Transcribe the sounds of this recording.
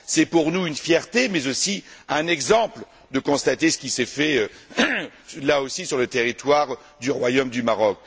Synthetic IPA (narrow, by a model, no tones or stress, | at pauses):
sɛpuʁnuynfjɛʁt̪emɛzosiɛ̃nɛɡzɑ̃pl | d̪əkɔ̃st̪at̪esə̥kʲisɛfɛø | laosisyʁlət̪eʁit̪waʁ | d̪yʁwajomd̪ymaʁɔk̚